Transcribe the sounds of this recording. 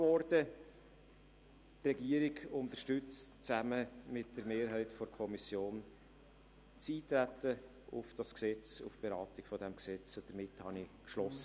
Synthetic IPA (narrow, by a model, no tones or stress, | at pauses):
vɔɾd̥ə | trɛɡiːəɾiɡʊnt̪əʃtʏt͡stt͡sæməmɪtd̥əɾmeːɾɦɛɪtfɔɾkʰɔmisjoːn | t͡siːt̪ɾætə | ʊfd̥ɑsksɛt͡sṵfb̥eɾɑːtɪɡ̥fɔdɛmksɛt͡sod̥əɾmɪthɑnikʃlɔsə